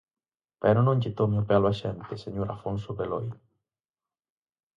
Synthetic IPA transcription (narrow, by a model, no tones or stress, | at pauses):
pɛɾonõɲt͡ʃit̪omiopjalwaʃɛmt̪eseɲoɾafonsobelɔj